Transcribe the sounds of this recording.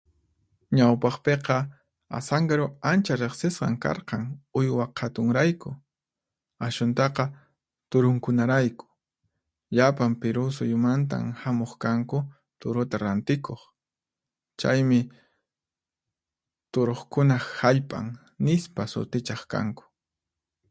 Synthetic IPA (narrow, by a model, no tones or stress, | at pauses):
ɲawpɑχpeqɑ | a̰saŋɡaɾoant͡ʃaɾeχsɪsqɑ̰ŋkɑ̰ɾqɑŋʊjwaqʰat̪ʊŋɾajkʊ | aʃʊnt̪ɑqɑ | t̪ʊɾʊŋkʊnaɾajkʊ̥ | ʎapampɪɾʊs̬ʊjʊmant̪̬a̰mhamoχkaŋkʊ | t̪ʊɾʊt̪aɾant̪ɪkʰoχ | t͡ʃa̰jmɪ | t̪ʊɾoχkʊnahaʎpʼa̰ŋ | nɪspasʊ̰t̪ɪt͡ʃɑχka̰ŋkʊ̥